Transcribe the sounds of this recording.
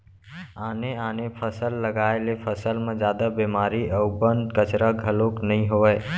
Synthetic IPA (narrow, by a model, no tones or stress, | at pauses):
aːneaːnepʰəsəlːəɡaelepʰəsəlmẽd͡ʒad̪əbemaɾiʔəʊbənd̪kət͡ʃɾəɡʱəloknəɦĩɦoə